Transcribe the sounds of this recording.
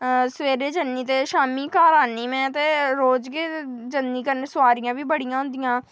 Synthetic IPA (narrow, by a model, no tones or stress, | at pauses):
sʋeːɾeːd͡ʒənːiːt̪eːʃaːmiːkaːɾaːniːmɛ̃ːt̪eːɾoːd͡ʒkeːd͡ʒənːiːkənsʊaːɾɪijãːʋiːbəɽɪjãːɦʊ̃nd̪ijãː